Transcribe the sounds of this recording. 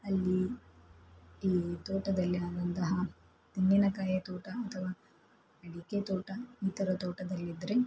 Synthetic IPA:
ɐlːi | iːt̪oːʈɐd̪ɐlːiaːɡɐnt̪ɐɦɐ | t̪iŋɡinɐkaːjɐt̪ɔːʈɐɐt̪ʰɐʋaː | ɐɽiket̪ɔːʈɐiːt̪ɐɾɐt̪ɔːʈɐd̪ɐlːid̪ɾe

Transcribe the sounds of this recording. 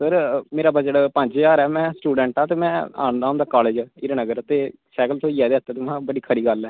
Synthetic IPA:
səɾmeːɾaːbəd͡ʒəʈpəɲd͡ʒjaːɾɛːmɛ̃ːsʈuːɖɛ̃ɳʈaːt̪eːmɛ̃ːa̰ːɳd̪aːɦʊ̃ːnd̪aːkaːleːd͡ʒɪɾnəɡəɾt̪eː | sɛːkəlt̪ʰõːiːɛːd̪eːɦət̪ːeːt̪ʊmɛ̃ːbəɽiːkʰəɾiːɡəlɛː

